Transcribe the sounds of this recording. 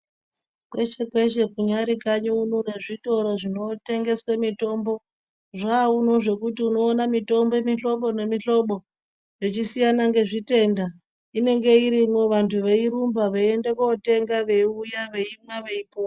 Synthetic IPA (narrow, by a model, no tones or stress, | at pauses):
kwe̞t͡ʃe̞kwe̞ʃe̞kuɲaɾikaɲounone̞ʐito̞ɾoʐino̞te̞ŋɡe̞swemito̞mbo̞ | ʐaːuno̞ʐe̞kutiuno̞ːnamito̞mboemiɬo̞ɓo̞ne̞miɬo̞ɓo̞ | jo̞t͡ʃisijanaŋɡe̞ʐite̞ːnda | ine̞ŋɡe̞iɾimwo̞ʋantʰuʋeiɾumbaʋeendekote̞ŋɡaʋeujaʋeimwaʋeipoa